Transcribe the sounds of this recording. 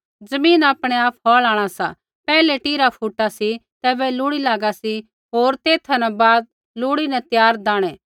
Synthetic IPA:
d͡zɐmĩːnaːpɽ̃eaːp̚ʰɦɔːlaːɽ̃asa | pɛːlɛʈiːɾapʰuːʈːasit̪ɛːʋɛlʊːɽilaːɡasi | ɦoːɾt̪eːt̪ʰɐnɛ̃baːd̪̚ | lʊːɽinɛt̪jaːɾd̪aːɽ̃ɛː

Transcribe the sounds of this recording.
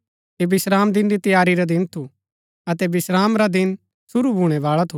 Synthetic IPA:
eːbɪsɾaːmd̪ɪnɾit̪ɐjaːɾiɾad̪ɪnt̪ʰu | ɐt̪̬ɛbɪsɾaːmɾad̪ɪn | sʊɾubʱuɽ̃ɛʋaːɭat̪ʰu

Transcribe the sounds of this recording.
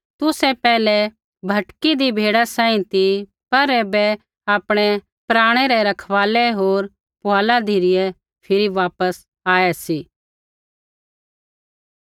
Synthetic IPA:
t̪ʊsɛpɛːlɛ | bʱɐʈkid̪ibʱeːɽasãːĩt̪i | pɐɾeːbɛ | aːpɽ̃ɛ | pɾaːɽ̃eːɾɛɾɐkʰʋaːlɛɦoːɾ | pʊɦaːlad̪ʱiɾɪjɛ | pʰɪɾiʋaːpəs | aːɛsiː

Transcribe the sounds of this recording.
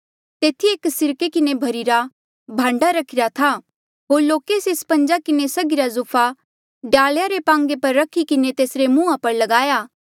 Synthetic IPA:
t̪eːt̪ʰieːksɪɾkekɪnebʱɐɾiɾa | bʱãːɳɖaɾɐkʰɪɾat̪ʰa | ɦoːɾloːkeːsespɐ̃ɲd͡ʒakɪnesɐɡɪɾazʊpʰa | ɖaːljaɾepãːŋɡepɐɾːɐkʰikɪnet̪eːsɾemũːapɐɾlɐɡaːjaː

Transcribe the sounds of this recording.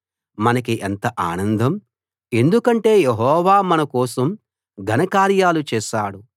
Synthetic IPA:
mɐnɐkiʔent̪ɐʔaːnɐnd̪ʱɐm | e̞nd̪ukɐɳʈe̞ːjeɦɔːʋaːmɐnɐkɔːsɐm | ɡʱɐnɐkaːɾjaːlut͡ʃɛːʃaːɽu

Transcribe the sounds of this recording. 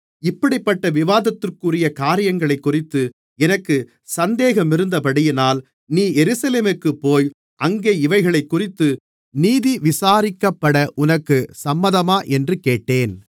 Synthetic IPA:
ɪpːɐɽɪpːɐʈːɐʋɪʋaːðɐt̪ːɯrkʊrɪjɐkaːɾɪjɐŋɡɐɭɐɪkːʊrɪt̪ːɯ | ɛnɐkːɯ | sɐnd̪eːɣɐmɪɾɯnd̪ɐpɐɽɪjɪnaːl | niːjɛɾɯsɐleːmɯkːɯpːoːj | ʔɐŋɡeːɪʋɐɪɣɐɭɐɪkːʊrɪt̪ːɯ | niːðiʋɪsaːɾɪkːɐpːɐɽɐʔʊnɐkːɯsɐmːɐðɐmaːʔɛndrɯkeːʈːeːn

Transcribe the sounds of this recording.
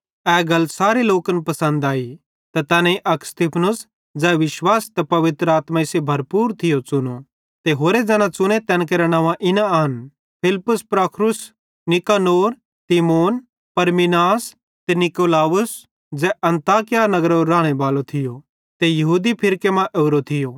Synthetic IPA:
ɛːɡɐlːsaːɾeloːkənpɐsə̃nd̪aːi | t̪ɐt̪ɛːnãiʔɐkst̪ɪpʰnʊs | d͡ʒɛːʋɪʃwaːst̪ɛpɐʋɪt̪ɾəaːt̪maɪsebʱɐɾpuːɾt̪ʰɪjot͡ʃʊno | t̪eɦoːɾed͡zɛ̃ːñãt͡sʊñet̪ɛ̃ːñk̬eɾɛɽ̃ɐ̃ʋãʔɪnãɦɐn | pʰɪlpʊspɾaːkʰɾʊs | nɪkaːnoːɾ | t̪imoːn | pɐɾmɪnaːs | t̪ɛnɪkoːlaːʊs | d͡zɛʔɐ̃nt̪aːkɪjanɐɡəɾɾãːɽ̃eʋaːlot̪ʰɪjo | t̪ejɐɦuːd̪ipʰɪɾkemãʔeʊɾot̪ʰɪjo

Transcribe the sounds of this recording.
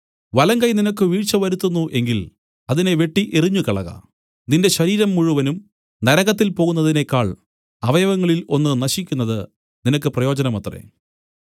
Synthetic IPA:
ʋɐlɐŋɡɐjninɐkːɨʋiːʈt͡ɕɐʋɐɾut̪ːunːuʔe̞ŋɡil | ɐðine̞ʋe̞ʈːiʔeriɲːukɐɭɐɣɐ̰ | d̪inde̞ɕɐɾiːɾɐmːuɻuʋɐnum | nɐɾɐɣɐt̪̬ːilpo̞ːɣunːɐðine̞kːaːɭ | ɐʋɐjɐʋɐŋːɐɭilo̞nːɨnɐɕikʲːunːɐðɨ | ninɐkːɨprɐjo̞ːd͡ʑɐnɐmɐt̪rḛ

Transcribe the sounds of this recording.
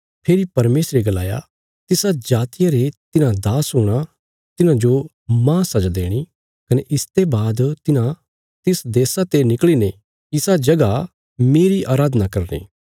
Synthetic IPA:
pʰeːɾipɐɾmeːsɾeɡɐla̰ːja̰ | t̪ɪsad͡ʒaːt̪ɪjaɾet̪ɪnãd̪aːsɦuːɽ̃a | t̪ɪnãd͡ʒo | mãːsɐd͡ʒad̪ḛːɽ̃i | kɐneʔɪst̪ebaːd̪t̪ɪnã | t̪ɪsd̪eːsat̪enɪkɭine | ɪsad͡ʒɐɡa | meːɾiʔaːɾaːd̪nakɐɾnḭː

